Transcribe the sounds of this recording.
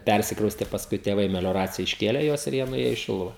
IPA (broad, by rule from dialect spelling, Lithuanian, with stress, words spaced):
ˈpʲærʲsʲɪkrɐʊsʲtʲɛ pɐsˈkʊɪ tʲeːˈʋɐɪ mʲɛlʲoːˈrɑːt͡sʲɪjɛ ɪʃʲˈkʲeːlʲɛ ˈjuɔs ɪr ˈjiɛ nʊˈeːjoː iː ˈʃʲɪlˠʊʋɐ